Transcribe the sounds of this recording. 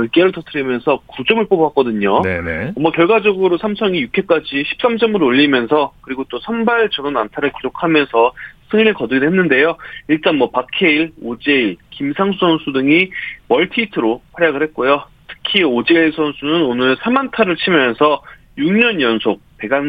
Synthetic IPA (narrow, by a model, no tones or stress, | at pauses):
ʌɭk͈eɾɯɭtʌtʰɯɾimjʌnsʰʌkud͡ʑʌmɯɭp͈obak͈ʌdɯɲonʌmʌkjʌɭɡwad͡ʑʌɡɯɾosʰamsʰʌŋijukʰe̞k͈ad͡ʑiɕʰi̥p̚s͈amsʰʌmɯɾoʎːimjʌnsʰʌkɯɾiɡot͈osʰʌnbaɭt͡ɕʌnʌnantʰaɾɯɭkid͡ʑokʰamjʌnsʰʌsʰɯŋiɾɯɭkʌdɯɡidoɦenːɯnde̞joiɭt͈anmʌpakʰe̞iɭod͡ʑeiɭkimsʰaŋsʰusʰʌnsʰudɯŋimʌɭtʰiːtʰɯɾoɸʰwaɾjaɡɯɭɦhe̞t̚k͈ojo | tʰɯ̥kʰiod͡ʑe̞iɭsʰʌnsʰunɯnonɯɭsʰamantʰaɾɯɭt͡ɕʰimjʌnsʰʌ | juŋɲʌnjʌnsʰok̚pe̞ɡan